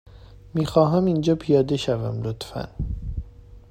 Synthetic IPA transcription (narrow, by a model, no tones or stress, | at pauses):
miːxɒːɦæmind͡ʒɒːpʰijɒːd̪eʃævæ̰mlot̪fæ̰n